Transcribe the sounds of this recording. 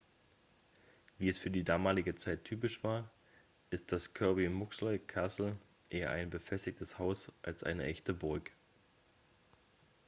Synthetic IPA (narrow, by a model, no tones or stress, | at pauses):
viːɛsfyːɐdiːdaːmaːlɪɡət͡saɪtʰːyːpɪʃv̥aːɐ | ʔɪst̚d̥askʰœɐbimʊkslɔʏkʰasl̩ | ʔeːɐ̰ʔa̰ɪnbəfɛstɪçtəshaʊsʔa̰lsʔa̰ɪnəʔɛçtəbʊʁk